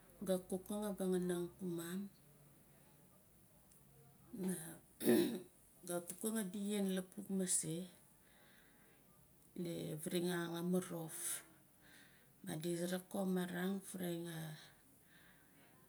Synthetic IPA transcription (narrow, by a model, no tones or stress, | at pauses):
ɡakukaŋabaŋanaŋkumam | na | ɡakukaŋadijenlapuk̚mase | leβiɾiŋaŋamaɾof | ma̰disɾakomaɾaŋfuɾajŋa